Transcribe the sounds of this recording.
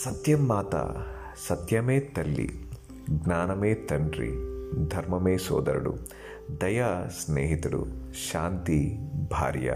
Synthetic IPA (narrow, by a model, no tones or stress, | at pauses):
sɐt̪jɐmːaːt̪ɐ̰ | sɐt̪jɐmeːt̪ɐlːḭ | ɡnaːnɐmeːt̪ɐɳɖɾḭd̪ʱɐɾmɐmeːsɔːd̪ɐɾɐɽṵ | d̪ɐjaːsneːɦit̪ɐɽṵʃaːnt̪ibʱa̰ːɾjɐ̰